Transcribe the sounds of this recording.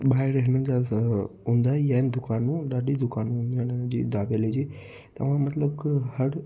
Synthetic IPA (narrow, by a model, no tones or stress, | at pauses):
baːɪɾəɦnə̃d͡ʒaʊ̃nd̪aːjɛːnd̪ʊkãːnːũːɗaːɖiːd̪ʊkaːnũnd̪jãːnd͡ʒḭːd̪aːbeːled͡ʒiː | t̪ːʋãːmət̪ləbkɪhəɽ